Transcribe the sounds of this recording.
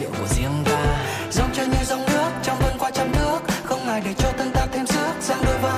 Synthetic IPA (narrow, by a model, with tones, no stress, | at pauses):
ḭ˧˨˩i˧˦əŋvaː˨˩ | zə˨˧˦wŋ͡mt͡ɕəː˧ɲɨ˧wza˧wŋ͡mnɨ˦˥ək̚t͡ɕɔ˧wŋ͡mvə˧nkwaː˧t͡ɕɔ˧mnɨ˦˥ək̚xə˧wŋ͡mŋaː˨˩jɗə˨˩t͡ɕɔ˧t̪ʰə˧ŋt̪aː˧t̪ʰe˧mzɨ˦˥ək̚zaː˧ŋɗo˧jvaː˧˦